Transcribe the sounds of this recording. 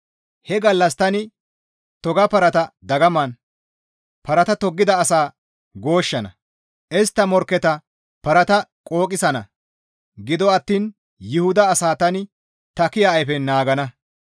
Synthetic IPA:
hɛɡɐlːɐst̪ɐnɪ | t̪ɔɡɐpɐɾɐt̪ɐd̪ɐɡɐmɐn | pɐɾɐt̪ɐt̪ɔɡːɪd̪ɐːsaː | ɡo̞ːʃːɐnɐ̰ | ʔɛst̪ːɐmɔɾkːɛt̪ɐ | pɐɾɐt̪ɐkʼo̞ːkʼɪsɐnɐ̰ | ɡɪd̪ɔɐt̪ːiːn | jɪhʊd̪ɐːsaːt̪ɐnɪ | t̪ɐkɪjɐːjfɛnaːɡɐnɐ

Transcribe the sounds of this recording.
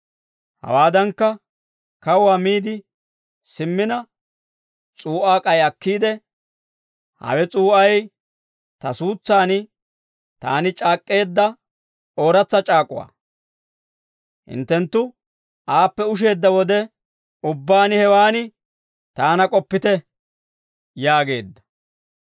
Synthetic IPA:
hɐ̰waːd̪ɐŋkːɐ | kɐwwaːmiːd̪ɪ | sɪmːɪnɐ | t͡sʼuːʔaːkʼɐjɐkːiːd̪ɛ | hɐ̰wɛt͡sʼuːʔɐj | t̪ɐsuːt͡sːaːnɪ | t̪a̰ːnɪt͡ʃʼaːkʼːe̞ːd̪ːɐ | oːɾɐt͡sːɐt͡ʃʼaːkʼːʊwa̰ː | hɪ̰nt̪ːɛnt̪ːʊ | ʔaːpːɛʊʃ̬e̞ːd̪ːɐwɔd̪ɛ | ʊbːaːnɪhɛwaːnɪ | t̪aːnɐkʼɔpːɪt̪ɛ | jaːɡe̞ːd̪ːɐ̥

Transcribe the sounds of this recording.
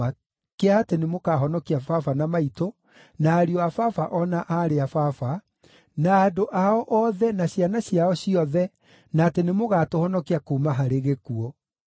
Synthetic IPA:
a | keaːtenemokaɦɔnɔkiafafanamaito | naːɾiɔafafaʔɔnaʔaɾeafafa | naːdoʔaɔʔɔðɛnaɕianaɕjaɔɕiɔðɛ | naːtenemoɣatohɔnɔkiakomaɦaɾeɣekuɔ

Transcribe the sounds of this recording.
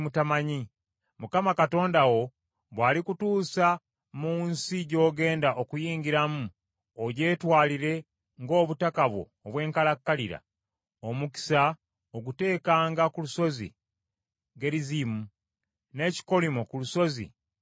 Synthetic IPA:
mutamaɲi | mukamakato̞ːndawo̞ | βwaːlikutuːsa | muːnsiɟo̞ːɡe̞ːndaʔokujiːŋɡiɾamu | oɟe̞ːtwaːliɾe̞ | ŋɡo̞ːβutakaβwo̞̰ːβwe̞ːŋkalakːaliɾa̰ | omuki̥sa | oɡute̞ːkaːŋɡakuluso̞zḭ | ɡe̞lizimu | ne̞ːci̥ko̞limokuluso̞zḭ

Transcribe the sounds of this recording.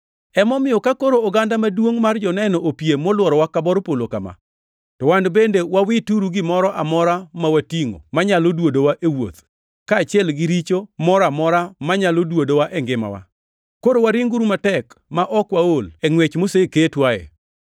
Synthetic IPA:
ɛmɔmɪjɔkakoɾoːɡandamadwoŋmard͡ʒɔnɛnɔʔopijemɔlwɔɾɔwakabɔɾopolokama̰ | tɔwandbendewawɪtuɾuɡɪmɔɾɔʔamɔɾamawatiŋo̰maɲalodwodowaʔewo̰t̪ | kaːt͡ʃɪɛlɡɪɾit͡ʃomɔɾɔamɔɾamaɲalodwodowaʔɛŋɡɪma̰wa̰ | koɾowaɾiŋɡuɾumatɛkmaʔɔkwaolɛŋwet͡ʃmoseketwaɛ̰

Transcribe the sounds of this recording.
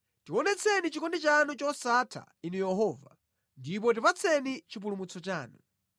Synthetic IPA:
tiwɔnɛt͡sʰɛnit͡ʃikɔndit͡ʃanut͡ʃɔsatʰa̰inujɛɦɔːva̰ | ndip̬ɔt̬ipat͡sʰɛnit͡ʃip̬ulumut͡sʰɔt͡ʃaːnu

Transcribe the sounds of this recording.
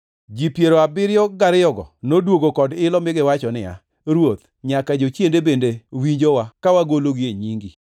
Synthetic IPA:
d͡ʒipjeɾoabɪɾjɔɡaɾɪjɔɡɔ̰nodwoɡokɔdɪlɔmɪɡɪwat͡ʃɔnɪa̰ | ɾwot̪ | ɲakad͡ʒot͡ʃjendebendewiɲd͡ʒowakawaɡoloɡɪeɲiŋɡi

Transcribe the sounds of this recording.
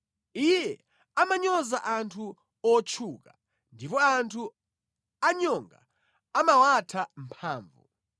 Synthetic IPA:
ijɛ | amaɲɔzaʔantʰu | ɔt͡ʃʰuːka | ndipɔantʰu | aɲɔŋɡa̰ | amawatʰam̩pʰaːɱvṵ

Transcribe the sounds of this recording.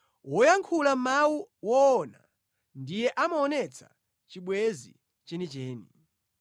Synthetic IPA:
wɔjaŋkʰulamawuwɔːna | ndijɛʔamaɔnɛt͡sʰḁ̰ | t͡ʃiɓwɛzḭ | t͡ʃɛnit͡ʃɛːni

